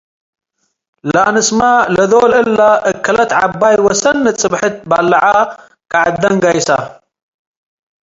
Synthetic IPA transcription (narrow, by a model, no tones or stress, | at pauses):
lɐnɨsmalɐd̪olɨlːaʔɨkʰːɐlɐt̪ʕa̰bːajwɐsɐnːɨt͡sʼɨbħɨt̪̚balːɐʕa | kaʕad̪ːɐŋɡajsa